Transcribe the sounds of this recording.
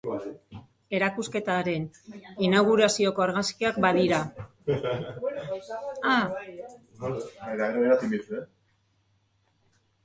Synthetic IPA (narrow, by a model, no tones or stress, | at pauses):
e̞ɾakuske̞t̪aɾe̞ninaɣ̞uɾasio̞ko̞aɾɣaskiakbaðiɾa | a | eɾaeɾeeɾat̪imit̪ue